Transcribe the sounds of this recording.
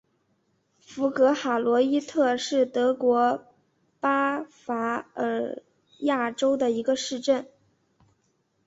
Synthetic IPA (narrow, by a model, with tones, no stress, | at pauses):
fu˧˥kɤ˧˥xa˨˩lwɔ˧˥i˥t̪ʰɤ˥˧ʂɻ̩˥˩t̪ɤ˧˥kwɔ˧˥ | pa˥fa˧˥ə˧˥ | ja˥˩ʈ͡ʂo˥ʊd̪ə˨i˧˥ɡə˧ʂɻ̩˥˧ʈ͡ʂə˥˩n